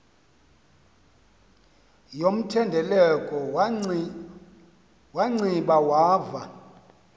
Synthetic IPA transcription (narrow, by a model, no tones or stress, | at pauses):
jom̩tʰɛndʱɛlɛkʼɔ | waŋ͡ǀiɓawaːva